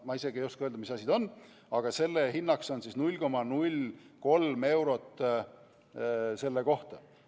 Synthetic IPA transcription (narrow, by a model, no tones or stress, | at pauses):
mɑise̞ɡ̥iejoskɑøld̪ɑmisɑsʲid̪o̞nː | ɑɡ̥ɑse̞lːeɦinːɑkso̞nsisnulʲko̞mɑnulʲ | ko̞lme̞wɾo̞t̪ːˑ | se̞lːeko̞ht̪ɑ